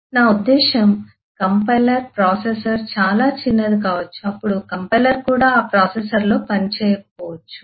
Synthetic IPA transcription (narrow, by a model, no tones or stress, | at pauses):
naːud̪ːɛːʃɐm | kɐmpɐjlɐɾpɾaːsesɐɾt͡ʃaːlaːt͡ʃinːɐd̪ikaːʋɐt͡ʃːuɐpːuɽukɐmpɐjlɐɾkuːɽaːaːpɾaːsesɐɾlo̞ːpɐnit͡ʃɛːjɐkɐpɔːʋɐt͡ʃːu̥